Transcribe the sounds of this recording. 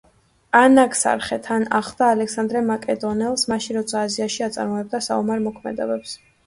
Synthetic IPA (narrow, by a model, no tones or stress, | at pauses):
anakʰʼsa̰ɾχɛt̪ʰanaχˠd̪aːlɛksand̪ɾɛmakʼɛd̪ɔnɛlˠsmaʃinɾɔt̪sʰaːziaʃiat̪sʼa̰ɾmɔɛb̚d̪asa̰umaɾmɔkʰmɛ̰d̪ɛbɛps